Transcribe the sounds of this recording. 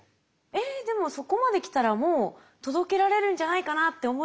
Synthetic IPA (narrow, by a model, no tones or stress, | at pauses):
e̞d̪e̞mo̞so̞ko̞mad̪e̞kʲi̥t̪aɾamoː | t̪o̞d̪o̞ke̞ɾaɾe̞ɾɯ̟̃ɲ̟d͡ʑanaikanat̪ːe̞omo̞